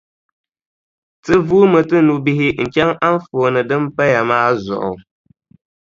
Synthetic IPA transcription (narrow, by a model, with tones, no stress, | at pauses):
tɨ˦vuː˦mɨ˨tɨ˦nu˨bi˦ɦɪ˦ŋ̩˨t͡ʃɛ˦ŋa˦n˦fo˨nɨ˨dɨ˦m˦pɛ˦ja˨maː˦zɔ̰˨ʔʊ̰˨